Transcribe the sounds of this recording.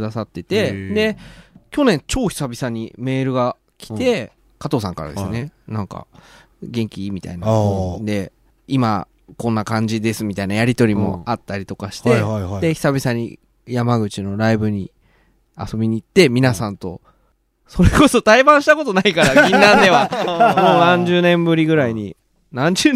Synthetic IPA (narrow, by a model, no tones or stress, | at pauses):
d̪asat̪ːe̞t̪ed̪e̞kʲo̞nẽ̞ɲt͡ɕo̞ːçi̥sabʲisaɲ̟ḭme̞ːɾɯ̟ɡa | kʲi̥t̪e̞ | kat̪o̞ːsã̰ŋkaɾa̰d̪e̞sɨ̰nenãŋka̰ | ɡẽ̞ŋkʲimʲit̪a̰inad̪e̞ | ima̰ | kõ̞nːakãɲ̟d͡ʑid̪e̞sɨmʲit̪ainajaɾʲit̪o̞ɾʲimo̞̰at̪ːaɾʲit̪o̞kaɕi̥t̪ed̪eçi̥sabʲisaɲ̟ḭ | jamaɡɯ̟t͡ɕino̞ɾaibɯ̟ɲ̟i | a̰so̞bʲiɲ̟iːt̪ːe̞mʲinasãnt̪o̞ | so̞ɾeko̞so̞t̪aibãɰ̃ɕi̥t̪ako̞t̪o̞naikaɾaɡʲinːãnd̪e̞βamoːnãɲd͡ʑɨːnẽ̞mbɯ̟ɾʲiɡɯ̟ɾaiɲ̟ḭ | nãɲ̟d͡ʑɨː